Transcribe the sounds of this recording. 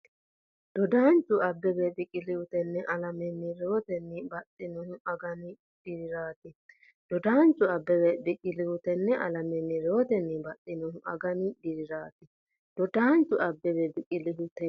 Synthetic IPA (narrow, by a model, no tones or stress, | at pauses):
d̪̥ɔd̪aːnt͡ʃːʊɐbːɛbed̪ɪkʼɪlɪhʊt̪ɛnːɛʔɐlɐmɛnːɪɾot̪ɛnːɪbɐt̪ʼːɪnɔhʊɐɡɐnɪ | d̥ɪɾɪɾaːt̪ɪ | d̪̥ɔd̪aːnt͡ʃːʊɐbːɛbɛd̪ɪkʼɪlɪwʊt̪ɛnːɛʔɐlɐmɛnːɪɾoɔt̪ɛnːɪbɐt̪ʼːɪnɔhʊʔɐɡɐnɪdɪɾɪɾaːt̪ɪ | d̪̥ɔd̪aːnt͡ʃʊɐbːɛβɛd̪ɪkʼɪlɪɦʊt̪ɛ